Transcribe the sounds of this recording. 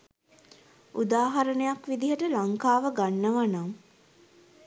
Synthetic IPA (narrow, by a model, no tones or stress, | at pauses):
ʔud̪aːɦaɾənejakʋid̪iɦəʈəlaŋkaːʋəɡanːəʋanaŋ